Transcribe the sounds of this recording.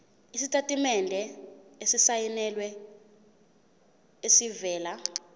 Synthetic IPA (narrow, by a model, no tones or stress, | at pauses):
isitʼatʼimɛndʱɛesisajɛnɛlwɛ | esivɛːla